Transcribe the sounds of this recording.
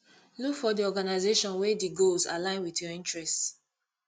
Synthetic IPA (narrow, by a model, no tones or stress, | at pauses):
lukfɔdiɔɡanaɪzeʃɔ̃nwɛdiɡolzalãɪ̃nwitjɔĩntɹɛst